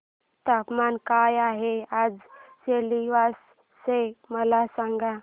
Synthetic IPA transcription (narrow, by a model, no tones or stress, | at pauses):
t̪apmankajaɦead͡zseliʋasː | eməlasãŋɡa